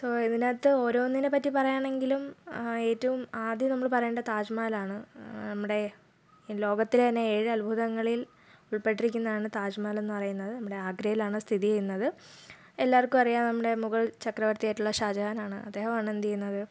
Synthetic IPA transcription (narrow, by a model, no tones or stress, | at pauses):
soːiðinaːt̪ːɨo̞ːɾoːnːinepːɐtːipɐrɐjaːɳe̞ŋɡilume̞ːtːɐʋumaːd̪jɐmnɐmːɐɭpɐrɐjuɳɖɐt̪aːd͡ʑmaːlaːɳɨnɐmːuɽe̞ | lo̞ːɡɐt̪ːilt̪ɐnːe̞eːɻɨɐlbʱuðɐŋːɐɭil | uɭpe̞ʈːirikʲːunːɐðaːɳɨt̪aːd͡ʑmaːle̞nːɨpɐrɐjunːɐðɨnɐmːuɽe̞aːɡɾɐjilaːɳɨst̪ʰiðijɐjunːɐðɨ | elːaːrkʲːumɐrijaːnnɐmːuɽe̞muɣɐɭt͡ɕɐkrɐʋɐrt̪ijaːjʈːuɭːɐɕaːd͡ʑaɐnaːɳɨ̰ʔɐ̰d̪ːeːɦɐmɐɳend̪ijunːɐðɨ